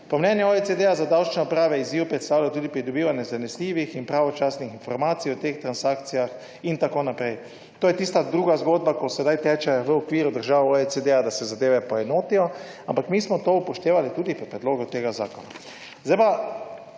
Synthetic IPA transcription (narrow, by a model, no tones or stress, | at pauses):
pɔmnɛnjɛoet͡s̪ed̪eazad̪awt͡ʃnɛɔpɾaːʋɛiziwpɾɛt̪st̪aːwlʲajt̪uːd̪ipɾid̪ɔbiːʋanjɛzanɛsliːʋixinpɾaʋɔt͡ʃaːsnixinfɔɾmaːt̪siɔt̪eːxt̪ɾansaːkt̪sijax | int̪akoːnapɾɛj | t̪oːjɛt̪iːst̪ad̪ɾuːɡazɡoːd̪̚bakosɛd̪ajt̪ɛːt͡ʃɛʋəɔkʋiːɾud̪əɾʒaːʋoesed̪ead̪asɛzad̪eːʋɛpɔɛnoːt̪ijɔ | ampakmiːsmɔt̪oupɔʃt̪eːʋalit̪uːd̪ipɔpɾɛd̪loːɡut̪eːɡaza̰ːkɔna̰ | zd̪ajpa